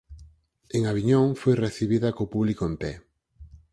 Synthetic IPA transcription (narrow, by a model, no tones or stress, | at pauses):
eŋaβiɲõŋfojreθiβiðɐkopuβlikoempɛ